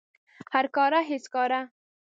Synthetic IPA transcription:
haɾkɑɾaɦɪskɑɾa

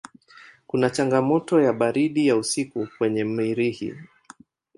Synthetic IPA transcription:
kunat͡ʃaŋɡamɔtɔjaɓaɾiɗijausikukwɛɲɛm̩iɾihḭ

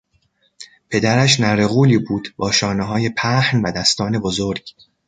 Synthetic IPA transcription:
pʰe̞d̪æɾæʃnæɾeɣuːliːbuːd̪̥bɒːʃɒːneɦɒːje̞pʰæhnvæd̪æst̪ɒːne̞bozoɾɟ̥

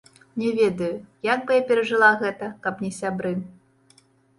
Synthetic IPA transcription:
nʲɛvʲɛd̪ɐjujaɡ̚bɨjapʲɛɾɐʐɨlˠaɣɛt̪ɐkɐpnʲɛsʲabɾɨ

